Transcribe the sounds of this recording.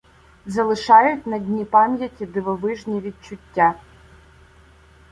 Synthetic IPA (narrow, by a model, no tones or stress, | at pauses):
zɐlˠɨʂajʊtʲnɐdʲnʲipamʲjɐtʲid̪ɨvɐvɨʐnʲiʋʲit͡ʃʊtʲːa